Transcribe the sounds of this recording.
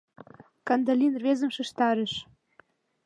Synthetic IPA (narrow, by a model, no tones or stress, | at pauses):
kɑnd̪alʲinrβezə̆mʃə̆ʃt̪ɑɾə̆ʃ